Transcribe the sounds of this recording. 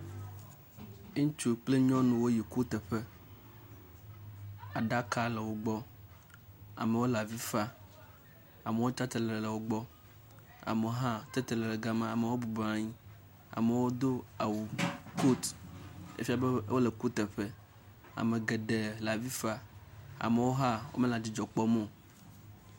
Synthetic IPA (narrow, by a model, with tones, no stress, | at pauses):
t͡ʃu˦k͡ple˦ɲɔ̃˦nũ˨wo˦ji˨ku˦t̪e˨ɸe˦ | a˨ɖa˦ka˦le˨wo˨ɡ͡bɔ˦ | a̰˨me˨wo˦la˨vi˦fa˦ | a˨me˨wo˦t͡ʃa˦t̪e˨lɛ˨lle˨wo˦ɡ͡bɔ˦ | a̰˨me˨wo˦ɦã˦t̪e˦t̪e˨le˨le˨ɡa˦mã˦a˨me˨wo˦bu˨ba˨ɲĩ˦ | a̰˨me˨wo˦d̪o˦a˨wu˨ko˦t̪ | ḛ˦fi˦a˨be˦wo˦le˨ku˦t̪e˨ɸe˦ | a̰˨me˨ɡe˨ɖe˨la˨vi˦fa˦a̰˨me˨wo˦ɦa˦wo̰˦mẽ˦la˨d͡ʑi˨d͡ʒɔ˨k͡pɔ˦mõ˦